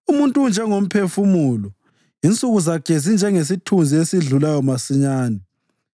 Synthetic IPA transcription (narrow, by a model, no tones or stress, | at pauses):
umuntʼund͡ʒʱɛŋom̩pʰefumulɔ | int͡sʼuɣuzaɡ̥ʱezind͡ʒʱɛŋes̬itʰund͡zʱiesiɮulajɔmasiɲaːnɛ